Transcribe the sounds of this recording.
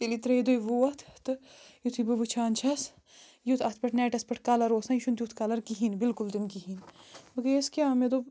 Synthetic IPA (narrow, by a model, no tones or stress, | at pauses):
ilit̪ɾed̪ojʋuɐt̪ʰt̪ɨjut̪ʰibɨʋɨt͡ʃʰaːnt͡ʃʰɐs | jut̪ʰɐt̪ʰpɐʈnɛːʈɐspɐʈʰkalɐɾoːsɐ̃iʃunt̪jut̪ʰkaːlɐɾkiɦinbɪlkult̪inkiɦinbɐɡeɐskiaːmed̪o